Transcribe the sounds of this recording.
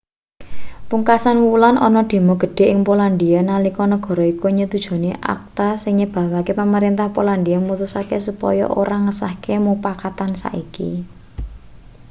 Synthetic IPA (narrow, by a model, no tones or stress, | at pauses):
puŋkasanwulanʔɔ̰nɔɖ̪̥e̤mɔɡ̥ə̤ɖ̥e̤ʔɪŋpoland̪ianalikɔnəɡ̥ɔ̤ɾɔikuɲət̪ud̥ʒ̥o̤neʔa̰k̚t̪asɪŋɲəb̥a̤wakepaməɾint̪ahpoland̪iaŋmut̪usakesupɔ̰jɔ̰ʔo̰ɾaŋəsahkemupakat̪ansa̰ʔikḭ